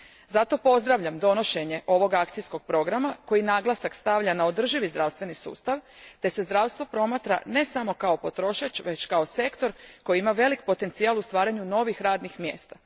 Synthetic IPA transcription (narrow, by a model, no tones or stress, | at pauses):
zat̪o̞po̞zd̪ɾaʋʎamd̪o̞no̞ʃe̞ɲe̞ʔo̞ʋo̞ɡakt̪sijsko̞ɡ̚pɾo̞ɡɾamako̞jinaːɡlˠasakst̪aʋʎanao̞d̪r̩ʒiʋizd̪ɾaʋst̪ʋe̞nisṵːst̪aʋt̪e̞se̞zd̪ɾaʋst̪ʋo̞pɾo̞mat̪ɾa̰ne̞samo̞kao̞po̞t̪ɾo̞ʃat͡ʃʋe̞t͡ɕkaose̞kt̪o̞ɾko̞jiimaʋe̞likpo̞t̪e̞nt̪sialust̪ʋaːɾaɲuno̞ʋixɾaːd̪nixmje̞ːst̪a